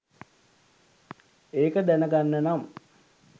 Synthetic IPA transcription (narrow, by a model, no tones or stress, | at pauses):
eːkəd̪ænəɡanːənam